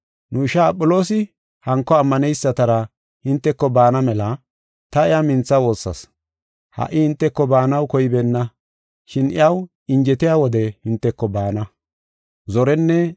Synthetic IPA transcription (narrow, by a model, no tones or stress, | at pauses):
nʊɪʃaːpʼːɔlo̞ːsɪ | hɐŋkːɔɐmːɐnɛjsːɐt̪ɐɾɐ | hɪnt̪ːɛkːɔbaːnɐmɛlɐ | t̪ɐɪjamɪnt͡sːɐwo̞ːsːɐ̰s | hɐ̰ʔːɪhɪnt̪ːɛkːɔbaːnɐwkɔjɪbɛnːɐ | ʃɪnɪ̰jɐw | ɪɲd͡ʒɛt̪ɪjaːwɔd̪ɛhɪnt̪ːɛkːɔbaːnɐ | zɔɾɛnːɛ